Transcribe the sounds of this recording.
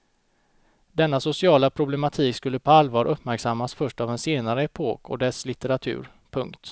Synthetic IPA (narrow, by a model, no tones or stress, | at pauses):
d̪ɛnːasʊsɪɑːlapʰɾʊblɛmat̪ʰiːkskɵlːəpʰɔalːvɑːɾʔɵpːmæɾksamːasfœʂʈavɛnseːnaɾəɛpʰoːkʰɔ̰d̪ɛslɪt̪ɛɾat̪ʰʉ̟̰ːɾ | pʰɵŋkt̪